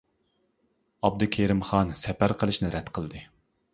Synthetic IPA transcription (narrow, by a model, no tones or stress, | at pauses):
ɑb̚d̪ukʲʰeɾɪmχɑnsɛpæɾqʰəlˠɨʃnɪɾɛt̪qʰəlˠd̪ɨ